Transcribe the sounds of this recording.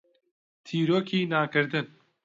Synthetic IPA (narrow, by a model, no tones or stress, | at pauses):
t̪ʰiːɾoːkʰiːnaːkɨɾd̪ɨn